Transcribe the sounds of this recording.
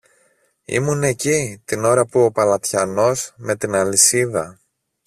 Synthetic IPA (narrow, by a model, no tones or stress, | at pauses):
ḭmune̞cit̪ino̞ɾɐpuo̞pɐlɐt̪çɐno̞zme̞t̪inɐlisiðɐ